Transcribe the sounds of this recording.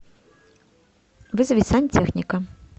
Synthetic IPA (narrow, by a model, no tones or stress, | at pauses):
vɨzɐvʲisanʲt͡sʲɛxnʲikɐ